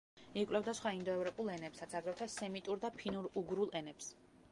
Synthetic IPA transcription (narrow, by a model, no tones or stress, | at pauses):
ikʼlɛvd̪asχwaind̪ɔɛvɾɔpʼulˠɛnɛpsɾat̪sʰaɡɾɛwt̪ʰasɛmit̪ʼuɾd̪apʰinuɾuɡɾulˠɛnɛps